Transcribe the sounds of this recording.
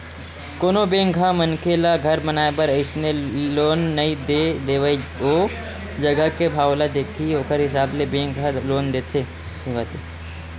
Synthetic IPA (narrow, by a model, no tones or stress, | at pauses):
koːnobẽːŋɡʱamənkelaɡʱɐɾmənaːepəɾəɪsneloːnːɐid̪ed̪eːʋaioː | d͡ʒɐɡəkebʱaːwlad̪eːt̪ʰioːkəɾɦɪsaːblebẽːŋɡʱaloːnd̪eːt̪ʰe | sɪʋaːt̪e